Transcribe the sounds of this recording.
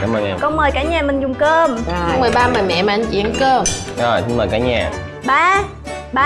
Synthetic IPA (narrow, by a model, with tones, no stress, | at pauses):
ka̰ː˨˦məː˧˩ŋɛ˧mkɔ˧nməː˨˩jkaː˧˩˥ɲaː˨˩mï˨˩ŋ̟zʊ˨˩ŋ͡mkəː˧m˧kɔ˧ŋ͡mmɨ˨˩jɓaː˧məː˨˩jmɛ̰˧˨maː˨ʔa˧ŋt͡ɕḭ˧˥ə˦nkəː˧˩məː˨˩sɨ˧ŋməː˨˩jkaː˧˦ɲa̰ː˨˩ | ɓaː˧ | ɓaː˧